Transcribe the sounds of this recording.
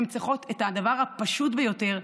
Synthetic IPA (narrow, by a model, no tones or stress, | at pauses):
mt͡siχo̞tethad̪avaʁhapaʃutbejo̞te̞ʁ